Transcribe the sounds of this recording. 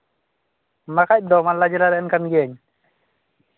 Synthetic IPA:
makac̚dɔmalad͡ʒɛlaɾɛɛnkanɡɛɲ

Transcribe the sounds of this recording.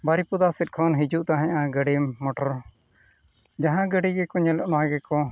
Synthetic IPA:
baɾipud̪asɪt̪̚ˀkʰɔnɦid͡ʒuʔt̪aɦɛ̃ãɡəɽiːɔʈɔɾ | d͡ʒaɦãɡəɽiɡɛkɔɲɛlɔʔnãːɡɛkɔ

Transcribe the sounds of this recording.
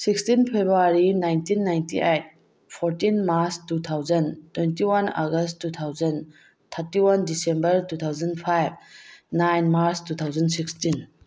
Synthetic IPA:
sikstinpʰebɾuaɾinajntinːajntḭʔejt̚ | pʰoɾtinmaɾstut̪ʰawzɐntwentiwana̰ɡɐsttːut̪ʰawzɐn | t̪ʰɐɾtiwandisembɐɾtut̪ʰawd͡ʒɐnpʰajb̚najnmaɾstut̪ʰawd͡ʒɐnsikstin

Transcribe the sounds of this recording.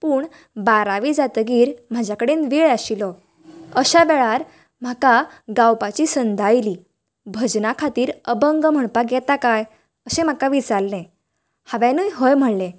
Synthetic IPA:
puːɳ | baɾaʋid͡zat̪əɡiːɾm̤ad͡ʑʱjakəɽenʋeɭaɕilɔ | əɕaʋɛɭaɾ | m̤aka | ɡawpat͡ɕisənd̪ʱajli | bʱəd͡ʑnakʰat̪iːɾəbəŋɡm̤əɳpaɡjɛt̪akaj | əsẽm̤akaʋit͡salnẽ | haʋãnəjɦəjm̤əɽlẽ

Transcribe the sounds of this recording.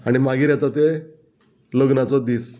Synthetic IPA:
aɽ̃imaɡiːɾjɛt̪at̪e | ləɡnat͡sɔd̪iːs

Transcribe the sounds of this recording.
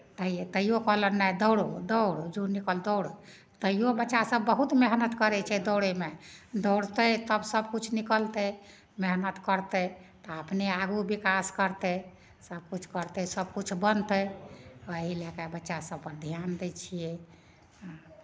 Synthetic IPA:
t̪əiet̪əijokəɦlənːajd̪əwɽod̪əwɽd͡ʒonikəld̪əʊɽe | t̪əijobətːʃasəbːəɦut̪meɦnət̪kəɾɛt͡ʃʰɛd̪ɔwɽemed̪ɔʊɽt̪ət̪əbsəb̚kut͡ʃʰnikəlt̪ə | meɦnət̪kəɾt̪ət̪ɔəpneaɡubikaskəɾt̪ə | səb̚kut͡ʃʰkəɾt̪ɛsəb̚kut͡ʃʰbənt̪ə | eɦilɛkabətːʃasəbpəɾd̪ʱjand̪ɛt͡ʃʰijɛ̃

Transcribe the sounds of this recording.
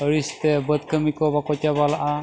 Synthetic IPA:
əɹist̪ɛbət̪̚kəmikɔbakɔtabalaʔa

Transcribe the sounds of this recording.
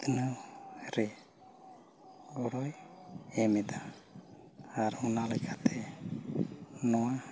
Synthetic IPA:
t̪nəwɾɛ | ɡɔɽɔjɛmɛd̪a | aɾunalɛkʰat̪ʰɛ | nɔwa

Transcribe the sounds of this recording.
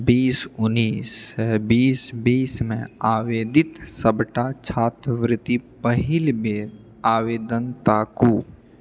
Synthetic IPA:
biːsʊnːiːsbiːsbiːsmḛ̃aːʋeːd̪ɪt̪səbʈat͡ʃʰaːt̪ʋɾɪt̪ipəɦɪlbeː | aːʋeːd̪ənt̪aːkuː

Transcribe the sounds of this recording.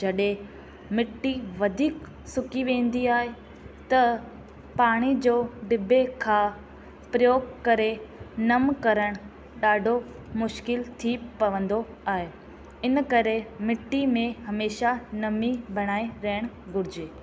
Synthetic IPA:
d͡ʑɐɗɦẽ | mɪʈːiʋɐd̪ʱiːk | sʊkiʋẽːn̆d̪iaːɦe | t̪ɐ | paːɽ̃id͡ʑoːɖɪbʱekʰãː | pɾɐjoːɡkɐɾenɐmkɐɾəɽ̃ | ɗaːɖʱo | mʊʃkɪlt̪ʰipɐʋə̃nd̪o | aːɦe | ɪnkɐɾemɪʈːimẽhɐmeːʃanɐmibʱɐɽ̃aːiɾɐɦɪɽ̃ | ɡʊɾɪd͡ʑeː

